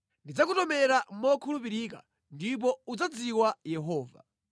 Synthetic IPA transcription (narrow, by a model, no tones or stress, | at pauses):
ndid͡zak̬utɔmɛɾamɔkʰulupiɾika̰ | ndip̬ɔud͡zad͡ziwajɛɦɔːva̰